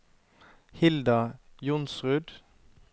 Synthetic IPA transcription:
hɪld̪ɑjʊnsʁʉːd̪

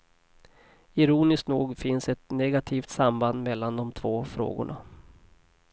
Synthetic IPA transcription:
ɪɾuːnɪsknuːɡfɪnsɛt̪nɛɡat̪ʰiːft̪samband̪mɛlːand̪ɔmt̪ʰv̥oːfɾo̰ːɡʊ̰ɳa̰

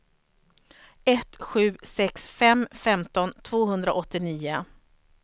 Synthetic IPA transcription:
ɛt̪ɧʉ̟ːsɛksfɛmfɛmt̪ɔnt̪ʰv̥oːɦɵnd̪ɾaʔɔt̪ːɪniːʊ

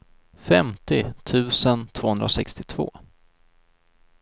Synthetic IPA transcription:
fɛmt̪ɪt̪ʰʉ̟ːsənt̪ʰvoːhɵnd̪ɾasɛ̰kst̪ɪt̪ʰv̥o̰ː

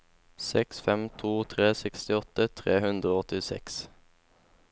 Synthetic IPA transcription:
sɛksfɛmt̪ʰuːt̪ʰʁeːsɛkst̪ɪɔt̪ət̪ʰʁeːhʉnd̪ʁəoːɔt̪ɪsɛ̰ks

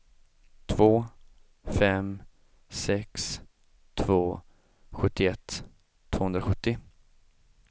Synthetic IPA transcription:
t̪ʰvoː | fɛm | sɛks | t̪ʰvoː | ɧɵt̪ːɪɛt̪ʰː | v̥oːɵnd̪ɾaɧɵt̪ːɪ

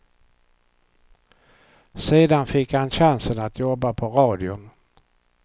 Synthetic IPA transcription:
seːd̪anfɪkːhanɕansənat̪ʰjɔbːapʰɔɾɑːd̪ɪʊn

